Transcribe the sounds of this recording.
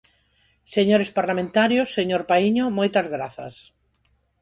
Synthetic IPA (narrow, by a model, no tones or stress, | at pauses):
seɲoɾespaɾlamẽnt̪aɾjosːeɲoɾpaiɲomojt̪ɐzɣɾaθɐ̰s